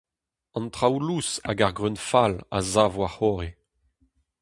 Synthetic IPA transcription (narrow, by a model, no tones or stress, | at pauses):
ɑ̃nt̪ʁawlusa̰ɡaʁɡʁynfala̰zavwaχɔʁe